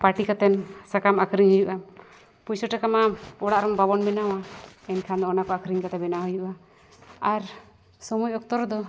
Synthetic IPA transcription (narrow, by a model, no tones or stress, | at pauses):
paʈikat̪ɛnsakamakʰɾiɲhujuʔa | pujsɔʈakamaɔɽaʔɾɔmbabɔnbɛnawaɛnkʰand̪ɔɔnakɔakʰɾiŋkat̪ɛbɛnaɦɔjuʔa | aɾ | sɔmɔjɔk̚t̪ɔɾd̪ɔ